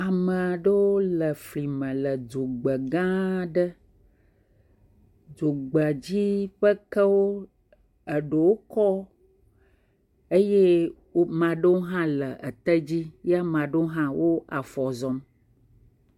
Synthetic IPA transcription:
a˨mə˨a˨ɖə˦wo˦lə˨fli˨mə̃˨lə˨d͡ʒo˨ɡ͡bə˨ɡã˦ɖə˦ | d͡ʒo˨ɡ͡bə˨d͡ʑi˦ɸə˦kə˦wo˦ | ə˨ɖo˨wo˦kɔ˦ | e˦je˦ | wo˦mã˨ɖə˦wo˦ɦã˦lə˨ʔə˨t̪ə˦d͡ʑi˦ja˦m˨ã˨ɖo˦ɦã˦wʔo˦a˨fɔ˨zɔ˨m

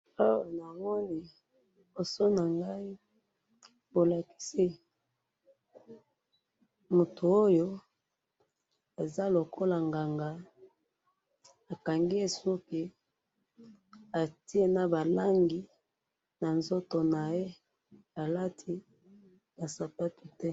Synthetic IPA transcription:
o˦jo˨na˨mɔ˦ni˨ | bo˨so˦na˨ŋɡa˦i˦ | bo˨la˨ki̥˦si˦ | mu˨tʰu˨o˦jo˦ | e˨za˦lo˨kʰo˦la˨ŋɡa˨ŋɡa˨ | a˨ka˨ŋɡi˦e˨su˦ki˨ | a˨ti˦e˦na˦ba˨la˦ŋɡi˨ | na˨nzo˦to˨na˨je˦ | a˨la˦tʰi˦ | b̥a˨sa˨pa˦ti˨tɛ˦

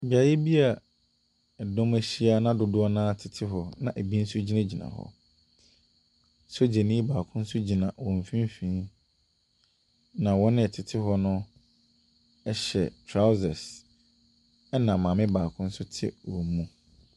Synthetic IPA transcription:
bi˨a˨jɪ˦bi˦a˨ | ɛ˨dɔ̃˦mæ˦ɕi˦a˦nã˦dʊ˨dʊ˦ɔ˦nã˦tʰɪ˨tʰɪ˦ɦɔ˨nã˨ʔe˨bi˦n̩˦sʊ˦d͡ʑi˦nã˦d͡ʑi˨nã̰˨hɔ̰˨ | so˦d͡ʑe˨nĩ˦baː˨kʰʊ̃˦n̩˦sʊ˦d͡ʑi˨nã˨wɔ̃˨m˨fĩ˦m˦fĩ˦ | nã˨wɔ˦nɪ̃˦ɛ˨tʰɪ˨tʰɪ˦ɦɔ˦nʊ̃˦ | ɛ˦ɕɛ̰˨tʰɾa˦ʊ˦zɛ˨s | ɛ˦nã˨mã˨mɪ̃˦baː˨kʰʊ̃˦n̩˦sʊ˦tʰɪ̰˦wɔ˨mũ˦

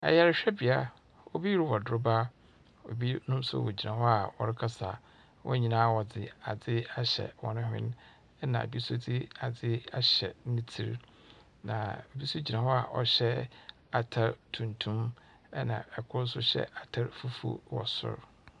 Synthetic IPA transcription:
ɛ̰˨jɛ˨ɾɕᶣɛ˦bi˨a˦ | o˦bi˦jɾɪ˦wɔ˨dʊ˦ɾʊ˦ba˦ | o̰˨bi˦nʊ̃˦msʊ̰˦wɔ̰˨d͡ʑi˨nã˨hɔ˦a˨wɔ˨ɾɪ˦kʰa˦sa˨ | wʔɔ̰˦ɲĩ˨nãː˦wɔ˨d͡zɪ˨a˨d͡zɪ˦a˨ɕɛ̰˨wɔ˨nʊ̃˦ɦɪ̰̃˦n | ɛ˦nã̰˨bi˦sʊ˦d͡zɪ˦a˨d͡zɪ˦a˦ɕɛ˨nɪ̃˦tʰi˦ɾ | nã̰˨o˨bi˦so˦d͡ʑi˨nã˨hɔ˦a˨ʔɔ̰˨ɕɛ˦ | a˨tʰa˦ɾtʰũ˨ntʰũ˦m | ɛ˦nã̰˨ɛ˨kʰʊ˦ɾsʊ˦ɕɛ̰˦a˨tʰa˦ɾfu˦fṵ˦wɔ̰˨sʊ̰˦ɾ

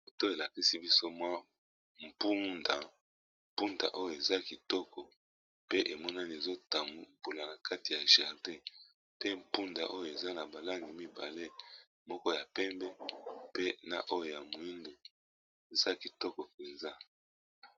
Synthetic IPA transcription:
o˨to˦e˨la˨ki˦si˦bi˦so˦mwa˦ | m̩˨pu˦nda˨ | m̩˨pu˦nda̰˨ʔo˦jo˨e˨za˦ki˨tɔ˦kɔ˨ | pe˦ʔe˨mɔ˦na˦ni˨e˨zo˦ta˨m˨bu˨la˨na˨ka˦ti˨ja˨ʒa˨ʁde˦ | pe˦m̩˨pu˦nda̰˨ʔo˦jo˨e˨za˦na˨ba˨la˦ŋɡi˨mi˦ba̰˨le˦ | mɔ˦kɔ˦ja˨pɛ˦mbɛ˦pe˦na̰˨ʔo˦jo˨ja˨mu˨i˦ndo˨ | e˨za˦ki˨tɔ˦kɔ˨pe˨nza˦

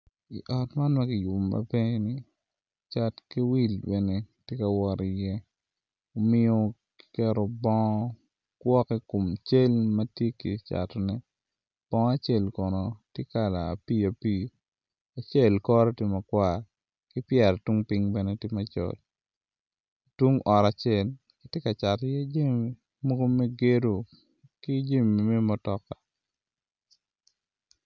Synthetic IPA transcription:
ḭ˨ʔɔ˨tma˦nma˦kɪ˨jʊ˨mːɐ̰˨be˦ni˨ | t͡ʃa˦tki˦wi˦˨lbɛ˨ne˦tje˦ka˨wɔ˨ɾi˨jɛ˦ | o˦mɪ˦o˦ | ki̥˨kɛ˦ɾo˨bɔ˦ | kwɔ˦kɛ˦ko˨mt͡ʃe˦lmɐ˦tje˦ki˨t͡ʃa̰˨tnɛ˦ | b̥ɔ˦ŋ˦a˦t͡ʃe˦˨lkɔ˨nɔ˨tje˦ka˨la̰ː˨piː˦a˨piː˦˨ | a˨t͡ʃe˦˨lkɔ˦ɾɔ˦te˦ma˨kwa˦˨ɾ | kɪ˦pjɛ˨ɾtu˦ŋpi˦ŋbɛ˦nɛ˦tɪ˦ma˦t͡ʃɔ̰˦˨l | twu˦ŋɔ˨ɾa˨t͡ʃɛ˨l | kɪ˦tje˦ka˨t͡ʃa˨tjɛ˦d͡ʒe˦˨mi˨ | mo˦ɡo˦me˦ɡe˦ɾo˨ | ki˦d͡ʒe˦mi˨mɛ˦mɔ˨tɔ˨ka˨

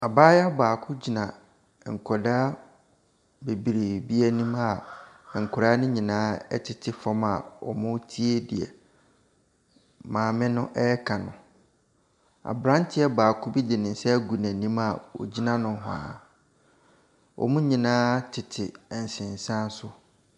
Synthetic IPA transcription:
a˨baː˦ja˦baː˨kʰʊ˦d͡ʑi˨nã˨ | ŋ̩˨kʰɔ˨daː˦ | be˨bi˨ɾe˨bi˦ɛ˦nĩ˦ma˨ | ŋ̩˨kʰʊ˨ɾa˦nʊ̃˦ɲĩ˨nãː˦ɛ̰˦tʰɪ˨tʰɪ˨fɔ˦ma̰˨ɔ̰˨mʊ̃˦tʰi˦e˦dɪ˨ɛ̰˨ | mãː˨mɪ̃˦nʊ̃˦ʔɛ˦kʰã˨nʊ̰̃˨ | a̰˨bɾã˦n˦tʰɪ˦ɛ˦baː˨kʰʊ˦bi˦dɪ˨nɪ̃˨n˦sɛ˦ɡu˨næ̃˨nĩ˦ma̰˨wɔ̰˨d͡ʑi˦nã˦nʊ̃˨˦ɦa̰ː˨ | wʔɔ̰˨mũ˦ɲĩ˨nãː˦tʰɪ˨tʰɪ˨ɛ˨n̩˨sɪ̃˨n˨sã˦sʊ˦

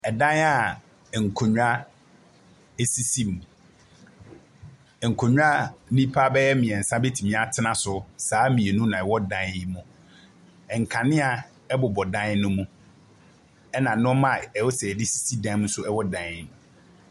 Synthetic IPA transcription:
ɛ˨dã˦na˨ | ŋ̩˨kʰo˨ɲᶣ˦a˦ | ɛ˨si˦si˦mũ˨ | ŋ̩˨kʰo˨ɲᶣu˦a˦nĩ˦pʰa˦bɛ˦jɛ˦mĩ˨ɛ˨n̩˨sã˦be˦tʰi˨mĩ˦a˦tʰɪ˦nã˨sʊ˨saː˨˦mĩ˨e˨nũ˦nã˨ɛ˨wɔ˦dã˦ni˦mʊ̃˨ | ɛ˨ŋ̩˨kʰã˨nɪ̃˦a˨ | ɛ˦bʊ˨bɔ˨dã˦n˦nʊ̃˦mũ˦ | ɛ˦nã˨nʊ̃˦mã˦˨ɛ˨wɔ˦sɛ˨dɪ˦si̥˦si˦dã˦mũ˦sʊ˦ɛ˦wɔ˦dã˦n˦ñ˨

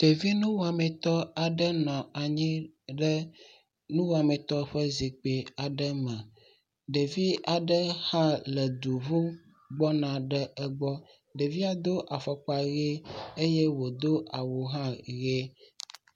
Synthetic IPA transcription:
t̪e˨vi˦nũ˦wo˨a˨mɛ̃˨t̪ɔ˦a˨ɖə˦nɔ̃˨a˨ɲĩ˦ɖɛ˦ | nũ˦wo˨a˨mɛ̃˨t̪ɔ˦ɸə˦zi˨k͡pe˨a˨ɖə˦mɛ̃˨ | ɖe˨vi˦a˨ɖə˦hã˦lɛ˨d̪u˨vũ˦ | ɡ͡bɔ˦nã˨ɖɛ˦ɛ˦ɡ͡bɔ˦ | ɖe˨vi˦a˨d̪o˦ʔa˨fɔ˨k͡pa˨ɣe˦e˦je˦wo˨d̪o˦a˨wo˨ɦã˦ɣe˦

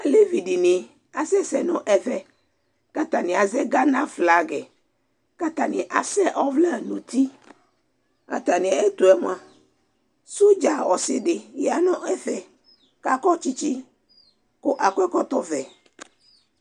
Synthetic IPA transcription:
a˨le˦vi˨ɖi˨nĩ˨ | a˨sɛ˦sɛ˨nɔ̃˨ʔɛ˦fɛ˦ | ka˦t̪a˨nĩ˨a˨zɛ˦ɡa˦nã˦fla˨ɡɛ˨ | ka˦t̪a˨nĩ˨ʔa˨sɛ˦ʔɔ˦vlɛ˦˨nũ˨t̪i˦ | a̰˨t̪a˨nĩ˨e˦t̪o˨ɛ˦m˦ã˨ | su˦d͡ʒa˨wɔ˨se˨ɖe˨jɛ˨a˨nɔ̃˦ʔɛ˦fɛ˨ | ka˦kɔ˦t͡ɕi˦t͡ɕi˦ | ko˦ʔa˨kʷɛ˦kɔ˦t̪ɔ˦vɛ˨

